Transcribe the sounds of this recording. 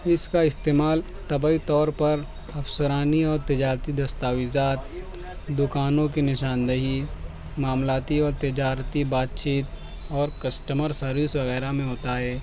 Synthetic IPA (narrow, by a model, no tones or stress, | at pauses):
ɪskaɪst̪eːmaːl | t̪ɐbait̪ɔːɾpɐɾ | ɐfsəɾaːniɔːɾt̪ɪd͡ʒaːɾət̪id̪ɐst̪aːwɪzaːt̪ | d̪ʊkaːnõk̬inɪʃaːnd̪əɦi | maːmlaːt̪iɔːɾt̪ɪd͡ʒaːɾt̪ibaːt̪̚t͡ʃiːt̪̚ | ɔːɾkɐsʈəməɾsɐɾwɪsʋɐɣɛːɾamẽɦoːt̪aɦɛː